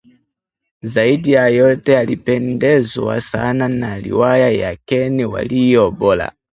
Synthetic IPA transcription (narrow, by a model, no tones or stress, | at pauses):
zaidijajɔtɛalipɛndɛza̰sananalḭwajajakɛniwa̰lijɔbɔla̰